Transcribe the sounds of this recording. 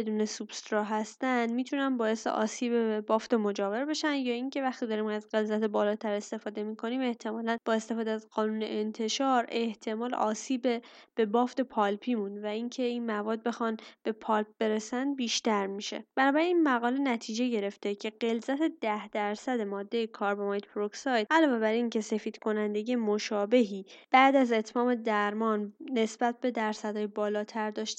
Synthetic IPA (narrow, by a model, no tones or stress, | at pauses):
ed̪uːne̞sub̥st̪ɾɒːɦæst̪ænd̪miːt̪ʰunænbɒːje̞st̪ḛʔɒ̰ːsiːbeebɒːft̪emo̞d͡ʒɒːve̞ɾbe̞ʃænd̪jɒːiŋcʰe̞væxt̪ʰid̪ɒɾiːmæzɢe̞lzæt̪ʰebɒːlɒːt̪ʰæɾe̞st̪e̞fɒːd̪e̞miːkʰo̞niːme̞ht̪ʰe̞mɒːlænb̥ɒːe̞st̪e̞fɒːd̪eæzɢɒːnuːne̞ʔent̪ʰe̞ʃɒːɾe̞ht̪ʰe̞mɒːlɒ̰ːsiːbeb̥e̞bɒːft̪e̞pʰɒlpʰiːmunvæiŋcʰe̞inmævɒːd̪̚be̞xɒnb̥e̞pʰɒlp̚b̥e̞ɾesænd̪̚biːʃt̪æɾmiʃe̞̰b̥ænɒːbæɾiniːnmæɣɒːle̞næt̪ʰiːd͡ʒe̞ɟe̞ɾe̞ft̪e̞cʰe̞ɢe̞lzæt̪ʰe̞d̪æhd̪æɾsæd̪e̞mɒːd̪ːe̞jekʰɒːɾbemɒjt̪pɾoksɒjd̪̚ʔælɒːve̞bæɾiŋcʰe̞se̞fiːd̪̥kʰo̞nænd̪e̞ɡɟijemoʃɒːbe̞ɦiːb̥æʔd̪æzet̪ʰmɒːme̞d̪æɾmɒːnːe̞sb̥æt̪̚be̞d̪æɾsæd̪ɒːjebɒːlɒːt̪ʰæɾd̪ɒːʃt̪